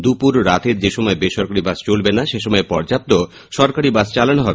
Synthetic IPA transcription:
d̪upuɾːat̪ʰeɾd͡ʑeʃɔmɔebeʃɔɾkaɾibast͡ɕolbenaʃeʃɔmɔepɔɾd͡ʑap̚t̪o | ʃɔɾkaɾibast͡ɕalanoɦɔbe

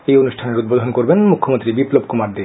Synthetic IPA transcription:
ejonuʃʈʰaneɾud̪̚bod̪ʱonkoɾbenmukʰːomont̪ɾibiplob̚kumaɾd̪i

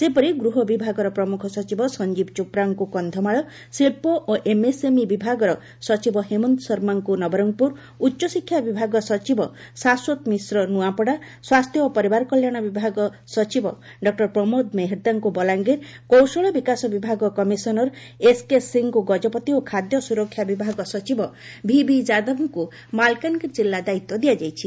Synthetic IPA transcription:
sepɔɾiɡɾuɦɔbibʱaɡɔɾɔpɾɔmukʰɔsɔt͡ʃibɔsɔnd͡ʒibt͡ʃupɾaŋkukɔnd̪ʱɔmaɭɔ | silpoʔoʔemesemibibʱaɡɔɾɔ | sɔt͡ʃibɔɦemɔnt̪sɔɾmaŋkunɔbɔɾɔŋpuɾ | utːʃɔsikʰːjabibʱaɡɔsɔt͡ʃibɔsaswot̪misɾɔnuapɔɽa | swast̪ʰjɔopɔɾibaɾkɔljaɽ̃ɔbibʱaɡɔ | sɔt͡ʃibɔ | ɖɔk̚ʈɔɾpɾɔmod̪meɦɾd̪aŋkubɔlaŋɡeɾkowsɔɭɔbikasɔbibʱaɡɔkɔmisɔnɔɾ | eskesiŋkuɡɔd͡ʒɔpɔt̪iokʰad̪jɔsuɾɔkʰːjabibʱaɡɔsɔt͡ʃibɔbʱibʱid͡ʒad̪ɔbʱuŋku | malkankid͡ʒilːad̪ait̪ːwɔd̪ijad͡ʒajt͡ʃʰi

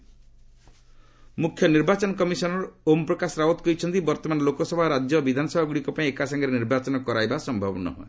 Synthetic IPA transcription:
mukʰjɔniɾbat͡ʃɔnɔkɔmisɔnɔɾɔompɾɔkasɔɾaɦot̪kɔit͡ʃʰɔnt̪ibɔɾt̪ɔmanɔlokɔsɔbʱaɾad͡ʒjɔbid̪ʱanɔsɔbʱaɡuɽikɔpãĩekasaŋɡɔɾeniɾbat͡ʃɔnɔkɔɾajbasɔmbʱɔbɔnɔ̰ɦɔ̰e

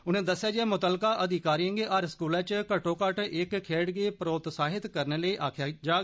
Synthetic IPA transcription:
ʊnẽːd̪əsjaːd͡ʒɪɛːmʊt̪əlkaːʔəd̪ɪkaːɾiəŋɡeːʔaɾskuːlãːt͡ʃkəʈoːkəʈɪkkʰeːɽɡeːpɾoːt̪saːɦɪt̪kəɾneləiːʔaːkʰjaːd͡ʒaː

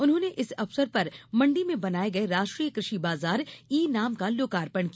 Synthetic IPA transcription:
ʊnɦõːneʔɪsɐfsəɾpɐɾmɐ̃ɳɖimẽbɐnaːeɡɐeɾaːʃʈɾiːəkɾɪʃibaːzaːɾiːnaːmkaloːkaːɾpəɳ̃ki

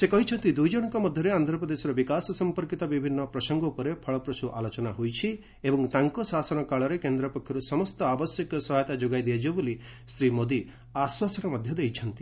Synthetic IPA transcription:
sekɔɦit͡ʃʰɔnt̪id̪ujd͡ʒɔɽ̃ɔŋkɔmɔd̪ʱjɔɾeand̪ʱɾɔpɾɔd̪esɔɾɔbikasɔsɔmpɔɾkit̪ɔbibʱinːɔpɾɔsɔŋɡɔupɔɾepʰɔɭɔpɾɔsuʔalot͡ʃɔnaɦojt͡ʃʰi | ebɔŋt̪aŋkɔsasɔnɔkaɭɔɾekend̪ɾɔpɔkʰjɔɾusɔmɔst̪ɔabɔsjɔkɔsɔɦajt̪ad͡ʒoɡajd̪iad͡ʒibɔboli | sɾimod̪i | aswasɔɾɔmɔd̪ʱjɔd̪ejt͡ʃʰɔnt̪i̥

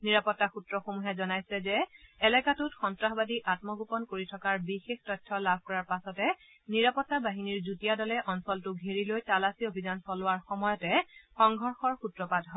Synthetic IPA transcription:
niɹapɔtːaxutɹɔxomuɦɛzɔnajsɛzɛːlɛkatʊtxɔntɹaxbadiʔatmɔɡupɔnkoɹitʰɔkaɹbixextɔtʰːɔlab̚ʱkɔɹaɹpasɔtɛ | niɹapɔtːabaɦiniɹzutijadɔlɛʔɔnsɔltʊɡʱeɹilojtalasiobʱizansɔlʊwaɹxɔmɔjɔtɛxɔŋɡʱɔɹxɔɹxutɹɔpadʱɦɔ

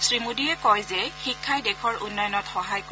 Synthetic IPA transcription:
sɹimudiɛkɔjzɛxikʰːajdɛkʰɔɹunːɔjɔnɔtxɔɦajk

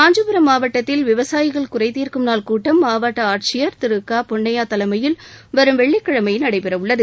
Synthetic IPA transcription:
aːɲd͡ʒɯpɯɾɐmːaːʋɐʈːɐt̪ːɪlʋɪʋɐsaːjɪɣɐɭkʊrɐɪt̪iːrkɯmnaːlkuːʈːɐmːaːʋaːʈːɐaːʈ̚t͡ʃɪjɐɾt̪ɪɾɯkːaːpɔɳːɐjaːt̪ɐlɐmɐjɪlʋɐɾɯmʋɛɭːɪkːɐɻɐmɐjnɐɽɐɪpɪɾɐʋʊɭːɐðɯ

